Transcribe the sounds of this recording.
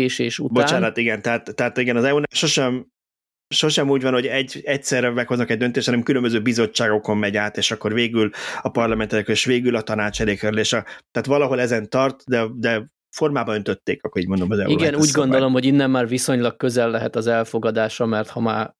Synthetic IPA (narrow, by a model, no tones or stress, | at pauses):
eːʃeːʃṵtboaːt͡ʃaːnnɒt̪ːiɡɛnt̪ɛɦaːt̪ːɛɦat̪iɡɛnɒzɛunʃo̞ʃɛm | ʃo̞ʃɛmuːɟvɒnho̞ɟɛɟɛcsɛrvɛkho̞znɒkɛɟ̚d̪ønt̪eːʃhɒnɛmkylømbøzøːbizo̞t͡ʃːaːɡo̞ko̞mmɛɟaːt̪eːʃɒkːo̞rveːɡylɒpɒrlɒmɛnt̪ɛlekleːʃʋeːɡylɒt̪ɒnaːt͡ʃɛlekøɾleːʃɒt̪aːt̪ʋɒlɒɦo̞lɛzɛnt̪ɒrt̪d̪ɛd̪ɛ | fo̞rmaːbɒønt̪ø̞t̪ːeːkɒkːoiːɟmd̪omɒzɛ̰uiɡɛnuːɟɡo̞nd̪olo̞mhoɟinːɛmːaːrviso̞ɲlɒk̚køzɛlːɛɦɛt̪ɒzɛlfo̞ɡɒd̪aːʃɒmɛrt̪hɒmaːr